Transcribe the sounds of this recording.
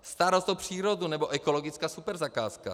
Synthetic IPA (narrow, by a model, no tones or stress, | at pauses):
st̪aɾost̪opr̝̥iːɾodunɛboʔɛkoloɡɪt͡skaːsupɛɾzakaːska̰